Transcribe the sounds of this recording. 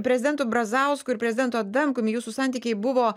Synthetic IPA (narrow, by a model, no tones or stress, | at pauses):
pʲɾʲɛzʲɪd̪ʲɛnt̪uːbɾɐzɐʊskʊɪɾpʲɾʲɛzʲɪd̪ʲɛnt̪uːɐt̪d̪ɐmkʊmʲɪjuːsusɑˑnʲt̪ʲiːkʲɛɪbʊʋoː